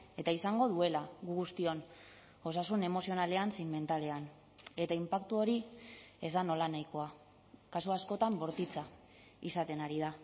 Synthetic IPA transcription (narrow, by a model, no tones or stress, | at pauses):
e̞t̪aisaŋɡo̞ðue̞laɣuɣust̪io̞n | o̞sasune̞mo̞sio̞nale̞ansiŋme̞nt̪ale̞an | e̞t̪aimpakt̪uo̞ɾie̞zd̪ano̞lanajko̞a | kasuasko̞t̪ambo̞ɾt̪it͡sa | isat̪e̞naɾiða